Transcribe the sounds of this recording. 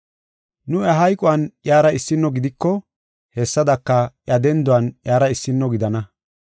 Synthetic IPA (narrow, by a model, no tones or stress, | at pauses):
nʊɐɦɐjkʼʊwɐnjaːɾɐɪsːɪnːɔɡɪd̪ɪkːɔ | hɛsːɐd̪ɐkːɐjɐd̪ɛnd̪ʊwɐnjaːɾɐɪsːɪnːɔɡɪd̪ɐnɐ